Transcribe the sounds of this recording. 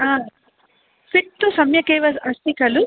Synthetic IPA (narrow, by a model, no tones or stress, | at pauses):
aː | piʈ̚t̪ːusɐmjɐkeːʋɐɐst̪ikɐlu